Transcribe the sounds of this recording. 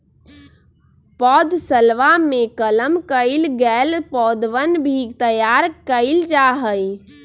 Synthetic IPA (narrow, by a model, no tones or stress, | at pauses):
pɔːd̪səlʋamekələmkəɪlɡɛlpɔd̪ʋənbʱit̪əjaɾkəɪld͡ʒaɦəj